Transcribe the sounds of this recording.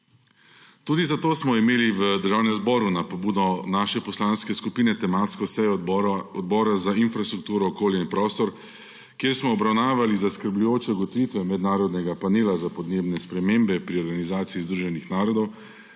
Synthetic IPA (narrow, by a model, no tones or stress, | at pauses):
t̪uːd̪izat̪oːsmɔimeːliʋəd̪əɾʒaːwnɛmzbɔːɾunapɔbuːd̪ɔnaːʃɛpɔslaːnskɛskupiːnɛt̪ɛmat̪skɔsɛjɔɔd̪̚bɔːɾazainfɾast̪ɾuk̚t̪uːɾɔːkoːljainpɾɔːst̪ɔɾ | kjeːɾsmɔːbɾawnaːʋalizaskəɾblujoːt͡ʃɛɡɔt̪ʋiːt̪ʋɛmɛd̪naːɾɔd̪nɛɡapaneːlazapɔd̪neːbnɛspɾɛmeːmbɛpɾiɔɾɡanizaːt̪siːzd̪ɾuːʒɛnixnaːɾɔd̪ɔw